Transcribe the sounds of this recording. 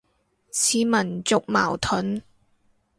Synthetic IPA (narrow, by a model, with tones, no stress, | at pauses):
t͡sʰiː˨˥mɐ˨˩nt͡sʊ˨k̚ma̰ː˨˩wt̪ʰʊɵ˨˥n